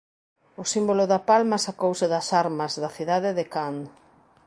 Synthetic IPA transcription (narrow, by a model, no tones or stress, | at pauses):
ʊsimbolʊðɐpalmɐsakowsɪðɐsaɾmɐzðɐθiðaðeðɪkaŋ